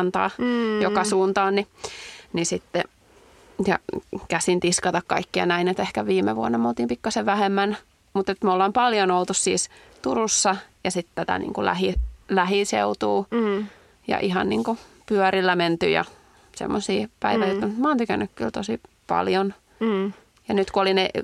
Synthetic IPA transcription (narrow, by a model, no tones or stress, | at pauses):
nt̪ɑ̰ːjokɑsuːnt̪ɑːnninisit̪ːe | jɑ̰kæsint̪iskɑt̪ɑkkɑ̰ikːiɑ̰næinet̪ehkæʋiːmḛʋuɑnːɑmolt̪iːmpikːɑseʋʋæhemːæn | mut̪et̪molːɑːmpɑljonolt̪ussḭːs | t̪urusːɑjɑsit̪t̪æt̪æ̰nḭːŋkulæ̰hilæhinsḛut̪uː | jɑ̰ʔihɑnnḭːŋkupyœɾilːæment̪y̰jɑ̰ | sḛmːosiːpæiʋæjot̪ːɑnyt̪mɑːnt̪ykænːykkylt̪osi | pɑ̰ljon | jɑnyt̪kuoline